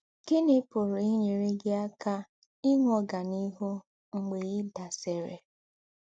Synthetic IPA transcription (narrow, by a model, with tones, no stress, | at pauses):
kɪ˦nɪ˦pʊ˨ɾʊ˨ɪ˦ɲe˨ɾɪ˦ɡɪ˦a˦ka˦ | i˦ŋʷɔ˨ɡa˨ni˦ɦʊ˦ | ŋ͡m̩˨ɡ͡be˨ɣɪ˦da˨se˨ɾḛ˨